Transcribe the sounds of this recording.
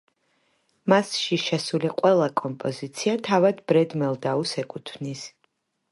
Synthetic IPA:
masʃiʃɛsuliqʼwɛlˠakʼɔmpʼɔzit̪sʰiat̪ʰavad̪bɾɛd̪mɛlˠd̪ausɛkʼut̪ʰvnis

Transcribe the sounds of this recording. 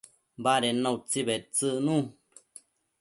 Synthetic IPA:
baɾenːãwt͡sibet͡sɨʔnũ

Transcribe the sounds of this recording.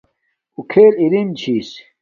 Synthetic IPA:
ukʰeːlilimt͡ɕʰiːs

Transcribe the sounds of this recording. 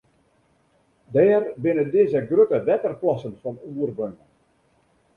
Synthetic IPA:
dɛːrbɪnədɪzəɡrøtəʋɛtərplɑsənfɔnuərbøŋə

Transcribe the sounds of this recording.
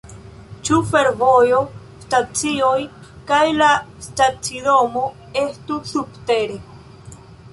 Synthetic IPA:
t͡ʃufe̞ɾvojo̞ | stat͡siojkajlastat͡sidomo | e̞stusubte̞ɾe

